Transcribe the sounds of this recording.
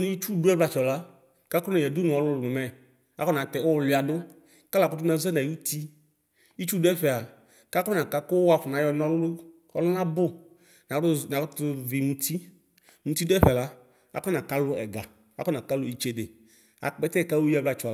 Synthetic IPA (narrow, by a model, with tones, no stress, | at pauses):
n˨˦i˦t͡ʃu˦˨du˦ɛ˦bla˧t͡ʃɔ˨la˦ | ka˦kɔ˦na˨jɛ˨du˦n˨ɔ˨lʊ˦lʊ˨mʊ˨mɛ˦ | a̰˦kɔ˦na˨tɛ˨o˦˨lʊ˨˦˨a˨dʊ˦ | ka˦la˨kʊ˦tʊ˦na˨zɛ˦na˨u˦t̪i˦ | i˦t͡ʃu˦dʊ˦ɛ˦ɸɛ˨a˨ | ka˦kɔ˦nã˨ka˧kʊ˦wa˨ɸʊ˨na˨˦jɔ˧nɔ˦lʊ˦lʊ˦ | ɔ̰˦lʊ˦nã˦bʊ˦ | na˨˦˨na˨ktʊ˧vi˨mũ˧tʰi˦ | mũ˧t̪i˦dʊ˦ɛ˦ɸɛ˨la˦ | a̰˨kɔ˦nã˨ka˦lʊ˦ɛ̰˨ɡa˨ | a̰˨˦kɔ˦nã˨ka˦lʊ˦i˨t͡ʃe˨dɪ˨ | a̰˨k͡pɛ˦tɛ˦˨ka˦wu˦jɛ˦bla˨t͡ʃɔ˨